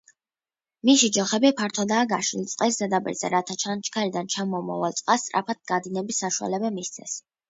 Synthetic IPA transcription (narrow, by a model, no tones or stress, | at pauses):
miʃid͡ʒɔχɛbipʰaɾt̪ʰɔd̪aːɡaʃilt̪sʼqʼɛszɛd̪apʼḭɾzɛ̰ɾat̪ʰat͡ʃʰant͡ʃʰkʰaɾid̪ant͡ʃʰamɔmɔ̰va̰lt̪sʼqʼast̪ʼɾa̰pʰat̪̚ɡad̪inɛbisːaʃua̰lɛbɛmist̪sʰɛ̰s